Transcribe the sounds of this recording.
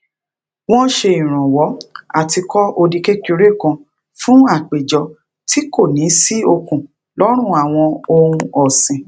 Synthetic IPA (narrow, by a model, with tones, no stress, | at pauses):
w̃ɔ̃˦ʃe˧ĩ˨ɾ̃ã˨wɔ˨˦a̰˨ti˧kɔ˦ʔo˧di˧ke˦ki˧ɾe˦˨kɔ̃˧ | fũ˦a˦˨k͡pe˨d͡ʒɔ˧˦ | tʰi˨˦ko˦˨nĩ˨˦si˦o˧kũ˨ | lɔ˦ɾ̃ũ˦˨a˨w̃ɔ̃˧o˧ũ˧ɔ˨sĩ˨